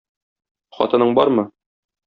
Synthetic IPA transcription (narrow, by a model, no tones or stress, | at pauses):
χɒ̰t̪ɤ̆nɤɴbɒɾmɤ